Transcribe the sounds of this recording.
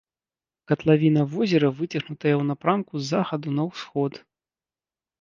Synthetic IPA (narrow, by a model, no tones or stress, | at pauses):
kɐt̪lˠavʲinɐvɔzʲɛɾɐvɨt͡sʲɐxnut̪ɐjɐwnɐpɾamkuzːaxɐd̪unɐwsxɔt̪